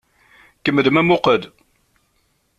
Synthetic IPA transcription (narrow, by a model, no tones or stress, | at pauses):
kəmːəðmæmʊqəd̪